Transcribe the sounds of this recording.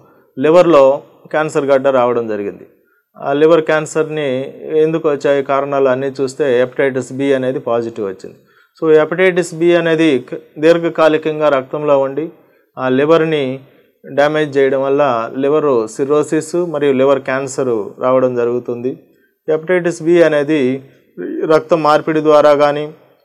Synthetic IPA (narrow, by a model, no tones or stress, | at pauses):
liʋɐɾlo̞ː | kaːnsɐɾɡɐɖːɐɾaːʋɐɽɐmd͡ʒɐɾiɡind̪i | a̰ːliʋɐɾkaːnsɐɾniend̪ukuʋɐt͡ʃːaːjikaːɾɐɳaːlɐnːiːt͡ʃuːst̪e̞ːɐpi̥ʈeːʈ̬ɐsbiɐne̞ːd̪ipaːd͡ʒiʈiʋʋɐt͡ʃːḭnd̪i | soːepiʈeːʈɐsbiːɐne̞ːd̪id̪iɾɡɐkaːlikɐŋɡaːɾɐk̚t̪ɐmlo̞ːuɳɖi | aːliʋɐɾni | ɖaːme̞ːd͡ʒt͡ʃɛːjɐɽɐmʋɐlːaːliʋɐɾsiɾo̞ːsisumɐɾijuliʋɐɾkaːnsɐɾɾʔaːʋɐɽɐmd͡ʒɐɾuɡut̪und̪i | epiʈeːʈɐsbiːɐne̞ːd̪i | ɾɐk̚t̪ɐmːaːɾpiɽid̪ʋaːɾaːɡaːniː